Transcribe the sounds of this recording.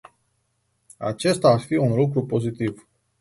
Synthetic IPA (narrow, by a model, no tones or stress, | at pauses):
a̰t͡ʃe̞st̪aːrfiunluk̬ɾupo̞zit̪iv